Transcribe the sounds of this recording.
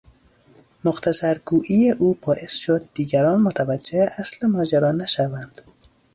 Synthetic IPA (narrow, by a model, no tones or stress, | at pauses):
moxt̪ʰæsæɾɡuːʔijeʔuːbɒːʔe̞sʃod̪̚ːiːɡæɾɒːnmot̪ʰævæd͡ʒːeheʔæslemɒːd͡ʒæɾɒːnæʃævænd̪̥